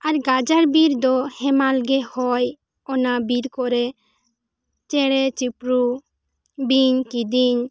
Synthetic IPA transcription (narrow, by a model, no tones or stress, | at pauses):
aɾɡad͡ʒaɾbiɾd̪ɔhɛmalɡɛhɔj | ɔnabiɾkɔɾɛ | t͡ʃɛɽɛt͡ʃipɾu | biɲkid̪iɲ